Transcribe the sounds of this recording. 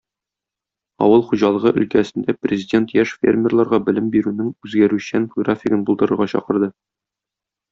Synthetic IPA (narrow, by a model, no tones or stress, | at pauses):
ɒ̰wɤlˠχuʑɑlˠɤ̆ʁɤʔɵ̰̆lkæsɘ̆nd̪æprʲɪzʲɪdʲent̪jæʃfʲḛrmʲɪrlˠɑɾʁɑbɘ̆lɘmbiɾʉnɘŋʉzɡæɾʉɕænfoɡrafʲɪɡɤnbulˠd̪ɤ̆ɾɤ̆ɾʁɑɕɒ̰qɤ̆ɾd̪ɤ